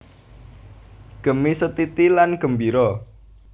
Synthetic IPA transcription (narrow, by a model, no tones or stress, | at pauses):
ɡ̥ə̤misət̪it̪ilanɡ̥ə̤mbiɾɔ